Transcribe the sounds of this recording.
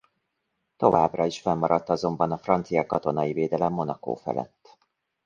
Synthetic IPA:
t̪o̞vaːbrɒiʃfɛmːɒɾɒt̪ːɒzo̞mbɒnɒfrɒnt̪sijɒkɒt̪o̞nɒjiveːd̪ɛlɛmːo̞nɒko̰ːfɛ̰lɛ̰t̪ː

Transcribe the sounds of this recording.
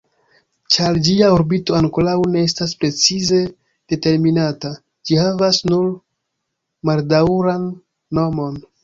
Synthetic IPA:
t͡ʃaɾd͡ʒiaoɾbito̞aŋkolawne̞estaspɾe̞t͡size̞ | d̥e̞te̞ɾminata | d͡ʒihavasnuɾ | maldawɾanː | o̞mo̞n

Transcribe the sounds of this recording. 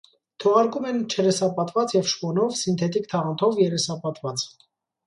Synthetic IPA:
t̪ʰɔʁɑɾkumɛnt͡ʃʰɛɾɛsɑpɑt̪vɑt͡sjɛvʃpɔnɔvsint̪ʰɛt̪ikt̪ʰɑʁɑnt̪ʰɔvjɛɾɛsɑpɑt̪vɑt͡s

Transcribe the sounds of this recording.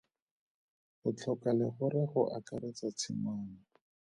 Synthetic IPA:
χʊt͡ɬʰɔkalɪχʊɾɪχʊʔakaɾɪt͡sat͡sʰɪmaːna

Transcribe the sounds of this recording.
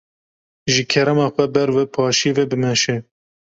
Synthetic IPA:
ʒɨkʰɛɾɛmɑːxʷɛbɛɾvɛpʰɑːʃivɛbɨmɛʃɛ

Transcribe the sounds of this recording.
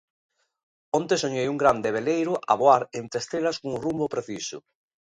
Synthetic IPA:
ont̪esoɲejuŋɡɾand̪eβ̞elejɾʊʔa̰βoaɾent̪ɾest̪ɾelaskoŋrumbopɾeθisʊ̰

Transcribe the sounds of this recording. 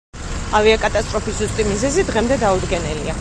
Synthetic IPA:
aviakʼat̪ʼast̪ʼɾɔpiszust̪ʼimizɛzid̪ʁɛmd̪ɛd̪aud̪ɡɛnɛlia

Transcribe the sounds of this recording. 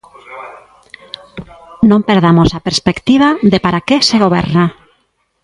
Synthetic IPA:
nõmpeɾð̞amosapeɾspekt̪iβ̞aðepaɾakeseɣoβ̞ɛ̰ɾna

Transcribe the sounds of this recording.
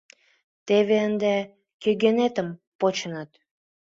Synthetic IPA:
t̪eβeənd̪e | køɡenet̪əmpot͡ɕənət̪

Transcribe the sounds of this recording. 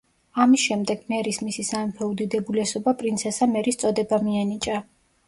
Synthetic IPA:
amisʃɛmd̪ɛɡ̥mɛɾismisisamɛmpʰɛud̪id̪ɛbulɛsɔbapʼɾinsʰɛsamɛɾist̪sʼɔd̪ɛbamianit͡ʃʼa

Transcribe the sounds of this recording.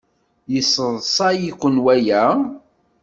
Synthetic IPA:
jəsəðˤsˤɑjikʷːənwæjæ

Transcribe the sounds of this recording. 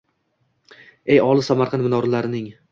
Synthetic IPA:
ejɒlˠɪsamaɾqʰɑnmɪnɒɾlaɾɪnɪŋ

